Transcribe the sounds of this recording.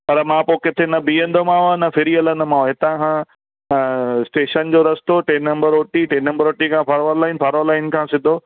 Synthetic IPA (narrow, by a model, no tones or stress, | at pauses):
pɐɾmãːpoːkɪt̪ʰenɐbiːə̃nd̪omãːonɐfɪɾiɐlə̃nd̪ʊmãːoɦɪt̪ãkʰã | sʈeːʃənd͡ʑoːɾɐst̪oʈeːnːɐ̃mbəɾoːʈiʈeːnːɐ̃mbəɾoːʈikʰãːfaːɾʋəɾlaːɪnfʰaːɾʋəɾlaːɪnkʰãːsɪd̪ʱoː